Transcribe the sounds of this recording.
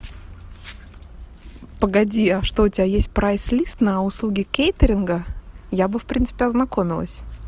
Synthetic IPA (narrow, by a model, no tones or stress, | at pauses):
pəɡɐdʲiɐʂt̪oʊtʲɪbʲajesʲt̚ʲpɾajslʲist̪nəʊslˠuɡʲɪkʲejt̪əɾʲɪnɡəjabɨfpɾʲint̪sɨ̥pʲɪɐznɐkomʲɪlˠə̰sʲ